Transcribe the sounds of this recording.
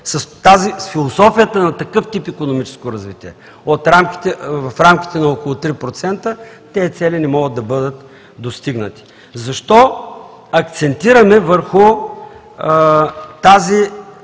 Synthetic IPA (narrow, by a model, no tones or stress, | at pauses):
sɐst̪azisfilˠosɔfijət̪ənɐt̪ɐkɤft̪ipikonomit͡ʃɛ̥skoɾɐzvit̪iɛ̰ | ot̪ɾamkʲi̥t̪ɛvɐfɾamkʲi̥t̪ɛnɐokolˠʊt̪ɾipɾot̪sɛnt̪ə | t̪ɛːt̪sɛlinɛmɔɡəd̪ɐbɤd̪ət̪ | d̪ost̪iɡnət̪i̥ | zɐʃt̪ɔ | ɐkt̪sɛnt̪iɾɐmɛvəɾxʊ | t̪azi